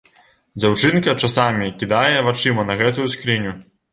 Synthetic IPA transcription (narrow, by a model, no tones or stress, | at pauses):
d͡zʲawt͡ʂɨnkɐt͡ʂasamʲikʲid̪ajɛvat͡ʂɨmɐnɐɣɛt̪ujuskɾinʲu